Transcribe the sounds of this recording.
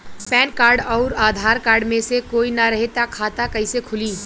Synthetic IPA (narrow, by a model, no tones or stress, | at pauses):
pɛːnkaːɾɖɔːɾaːd̪ʱaːɾkaːɾɖmẽsekoːinɐɾɐɦet̪akʰaːt̪akɐisekʰʊliː